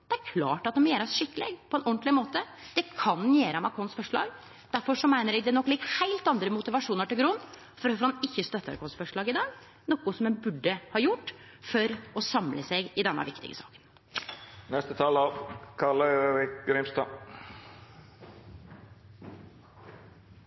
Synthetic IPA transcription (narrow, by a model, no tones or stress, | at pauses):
d̪̥ɛæɾkʰlɑ̰ːʈɑt̪̚d̪ɔmjeːɾəsʂɪkːəlḛːɡpʰɔɛnʔɔnt̪lɪmoːt̪ə | d̪̥ɛkʰɑnjeːɾəmɑkʰɔnsfɔʂɭɑ̰ːɡ | d̪̥æɾfɔʂɔmæɪnəɾɛɡd̪ɛnɔkːlɪk̚t̪hæɪlt̪ɑnd̪ɾəmʊt̪ɪʋɑʂuːnəʈɪlɡɾun | fɔɾɔfɔɾhɑnɪçːəst̪œt̪ːəɑ̰ɾkʰɔnsfɔʂɭɑːɡɪd̪ɑːɡ | nɔkːʊsɔmɛnbʉɖːəhɑjʊʈː | fɔɾɔsɑmlʔəsæɪɡɪd̪ɛnːɑ̰ʋɪkt̪ɪ̰ɡə̰sɑ̰ːkə̥n | nɛst̪ət̪ʰɑːlɑʋkʰɑləɾɪkɡɾɪmst̪ɑː